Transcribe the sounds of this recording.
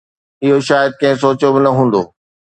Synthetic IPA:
ɪɦoʃaːjəd̪̚kɐ̃ɦɪ̃s̬oːt͡ɕobɪnɐɦũːn̆d̪oː

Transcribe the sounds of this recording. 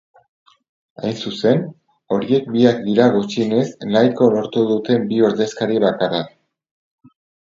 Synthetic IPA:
a̰jnsuse̞n | o̞ɾie̞k̚biak̚d̪iɾaɣut͡ʃine̞znajko̞lo̞ɾt̪uðut̪e̞mbio̞ɾðe̞skaɾieβakarak

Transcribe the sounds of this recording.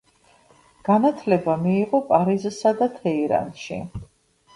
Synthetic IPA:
ɡ̥anat̪ʰlɛbamiːʁɔpʼaɾizsad̪at̪ʰɛiɾa̰nʃḭ

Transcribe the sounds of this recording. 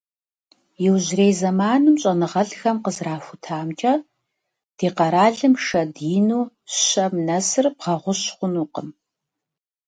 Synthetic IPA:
jɪwʑreːjzɐmaːnumɕʼɐnɨʁɐɮxɐmqəzraːfʷʊtʰaːmt͡ʃʼɐ | d̥iːqɐɾaːɮɨmʂɐdiːnuː | ɕɐmnɐsɨrbʁɐʁʷʊɕχʷʊnuːqəm

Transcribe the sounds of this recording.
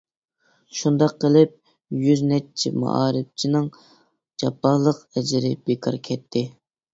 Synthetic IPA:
ʃund̪ɑqːəlɪp̚ | jyznɛt͡ʃʰimṵʔɑːɾɪp̚t͡ʃʰinɨŋ | d͡ʒɑpːɑlˠəqɛd͡ʒɪɾɪbekʰɑ̰ɾkʲʰɛt̪ʰːɪ

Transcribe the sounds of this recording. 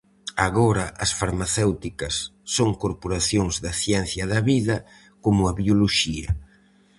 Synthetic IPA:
aɣoɾɐʔɐsfaɾmaθewt̪ikɐsːoŋkoɾpoɾaθjoŋzðɐθjɛn̟θjɐðɐβiðɐ | komʊɐβioloʃiɐ̰

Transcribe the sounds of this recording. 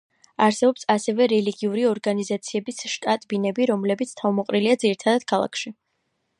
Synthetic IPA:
aɾsɛbɔpsasɛvɛɾɛliɡiuɾiɔɾɡanizat̪sʰiɛbisʃt̪ʼat̪ʼbinɛbiɾɔmlɛbit̪sʰt̪ʰavmɔqʼɾiliad̪ziɾit̪ʰad̪ad̪̥̚kʰalˠa̰kʰʃi

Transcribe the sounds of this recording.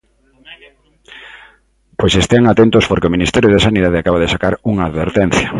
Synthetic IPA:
pojsest̪eaŋat̪ent̪ospoɾkeominist̪ɛɾjoðesaniðað̞eakaβaðesakaɾuŋaːðβeɾt̪ɛn̟θjɐ

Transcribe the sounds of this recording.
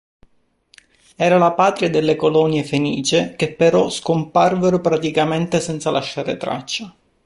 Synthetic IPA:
ɛːɾalapaːt̪ɾiad̪elːekolɔnjefenḭːt͡ʃek̟epːeɾɔskomparveɾopɾat̪ikament̪esɛnt̪salʔaʃːaːɾḛt̪ɾa̰t͡ʃːa

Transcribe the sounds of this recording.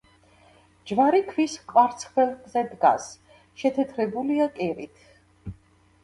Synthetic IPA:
d͡ʒvaɾikʰvisqʼwaɾt̪sʰχvɛlˠkʼzɛd̪ɡa̰s | ʃɛt̪ʰɛt̪ʰɾɛbuliakʼɛɾit̪ʰ

